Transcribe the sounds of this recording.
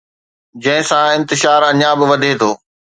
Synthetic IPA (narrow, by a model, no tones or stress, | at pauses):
d͡ʑɐ̃ɦɪ̃sãɪ̃nt̪ɪʃaːɾɐɲabɪ̆ʋɐd̪ʱet̪ʰoː